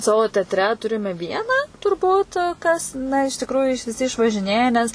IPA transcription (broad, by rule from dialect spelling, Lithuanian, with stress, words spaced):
ˈsɑːʋoː ˈtʲɛɐtʲrʲɛ ˈtʊrʲɪmʲɛ ˈʋʲiɛnɑː tʊrˈbuːt kɐs ˈnɐ ɪʃ tʲɪkrʊjʊ ɪʃ ʋʲɪˈsʲɪ ɪʃʋɐʒʲɪˈnʲeːjɛ ˈnʲɛs